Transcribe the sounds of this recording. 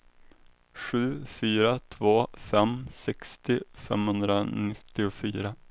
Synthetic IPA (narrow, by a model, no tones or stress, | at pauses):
ɧʉ̟ːfyːɾat̪ʰvoːfɛmsɛkst̪ɪfɛ̰mhɵnd̪ɾanɪt̪ːɪʊfyːɾa